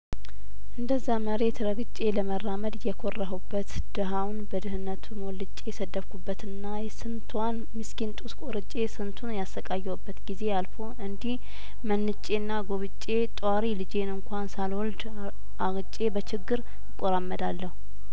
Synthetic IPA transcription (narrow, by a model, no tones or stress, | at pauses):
ʔɨnd̪əzːaməɾe̞t̪ɾəɡɨt͡ʃʼːe̞ləmərːaməd̪jɛkʰorːəɦubːət̪ | d̪̥əɦawnbəd̪ɨɦɨnːət̪ʰumɔlːɨt͡ʃʼːe̞jɛsəd̪ːəfkubːət̪ɨnːajɛsɨnt̪ʰwan | mɨskint̪ʼuskʼoɾɨt͡ʃʼe̞sɨnt̪ʰunjasəkʼajːɛwbːət̪ɡize̞alfo̞ɨnd̪ih | mənːɨt͡ʃʼe̞nːaɡo̞βɨt͡ʃʼːe̞t̪ʼwaɾilɨd͡ʒe̞nɨŋkʷansalwɔld̪ | ʔaɡɨt͡ʃʼːe̞bət͡ʃɪɡːɨɾ | ɨkʼːoɾamːəd̪alːəhu